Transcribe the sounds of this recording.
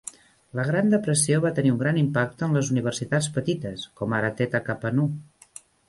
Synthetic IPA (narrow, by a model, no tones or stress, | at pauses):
ləɣ̞ɾand̪əpɾəsioβat̪əniuŋɡɾanimpak̚t̪əənləzuniβ̞ərsit̪at͡sspət̪it̪əskɔmaɾat̪et̪akapənu